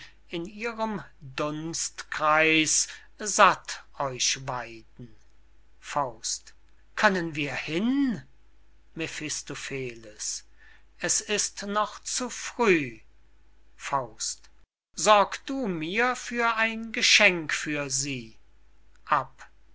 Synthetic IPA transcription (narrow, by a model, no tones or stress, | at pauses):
ɪniːʁəmdʊnstkʁ̥aɪs | zatʔɔʏʃvaɪdn̩ | faʊst | kʰœnənviːɐhɪn | mefɪstofeːləs | ʔɛsɪstnɔχt͡sufʁ̥yː | faʊst | z̥ɔɐkd̥uːmiːɐfyːɐʔaɪnɡəʃɛŋkfyːɐziː | ʔap